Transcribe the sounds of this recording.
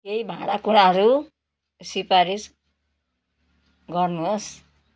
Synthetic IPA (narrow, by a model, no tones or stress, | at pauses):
kejbʱaɽakuɽ̃aɦʌɾu | sipaɾis | ɡʌrnus